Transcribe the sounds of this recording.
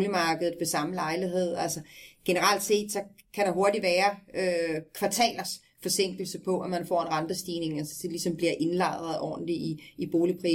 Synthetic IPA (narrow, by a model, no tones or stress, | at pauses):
limɑ̈ːɡ̥əð̩ˠʋe̝sɑ̈məlɑ̈ɪliɦe̝ð̞̰ˠælsɐɡ̥e̝nəʁɑl̰d̥se̝̰ːd̥sɒ̽ | kʰæɾ̥ɑ̈ɦo̝ɐdiʋæːɐøkʰʋɑ̈t͡sʰɛ̰ːlɐs | fɒ̽se̝ŋ̰ɡ̥l̩səpʰɒ̽ʔæmænfɒ̰ːe̝nʁɑnd̥əsd̥iːne̝ŋælsə̥d̥elisɒ̽mb̥liɐ̰ʔe̝nlɑ̈ɪʁɐðˠʔɒ̰ːd̥n̩liiib̥o̝ːlipʰʁḭː